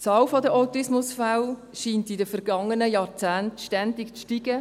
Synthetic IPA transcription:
t͡sɑːwfɔdəʔaʊtɪsmʊsfaw | ʃiːntidəfɛɾɡ̥ɑŋːənəjɑːɾt͡sæːntʃtændɪkt͡sʃtiɡ̥ə

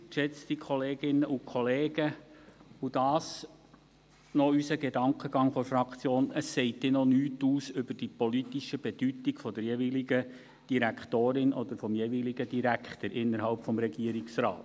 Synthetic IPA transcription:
ʃɛt͡sd̥̪ikʰɔleːɡɪnːəʔukʰχɔleːɡ̥ə | ud̥ɑːs | nɔysəɡedɑŋkχəɡ̥ɑŋfɔɾfɾɑkχt͡sjoːnəsːɛɪtːɛnɔnyːtuːsʏbəd̥ipɔlit̪iʃəb̥ɛd̥ytiɡ̥fɔd̥̪əɾjeviliɡə | d̥iɾækχtoːɾɪnʔɔd̪əɾfɔmjeviliɡəd̥iɾækχt̪əɾʔɪnːəɾhɑlpfɔmɾɛɡiəɾiksɾɑ̰ːt

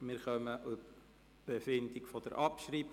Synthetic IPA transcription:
mɪɾχœməʔʊ | b̥efɪndikfɔd̥̪ə̰ɾʔɑpʃriːb

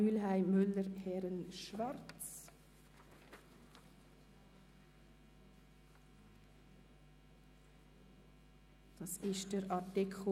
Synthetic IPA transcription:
yːlɦaɪmʏlːəɾhɛɾənʃvaɾt͡s | d̥ɑsɪʃd̥əɾɑtɪkʰ

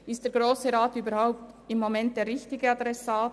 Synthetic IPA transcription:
ɪstd̥eːɾɡ̥ɾoːsəɾaːtyːbəɾhaʊp̚t | ɪmːomɛnt̚d̥eːɾʁɪçtɪɡəɑdɾɛsaːt

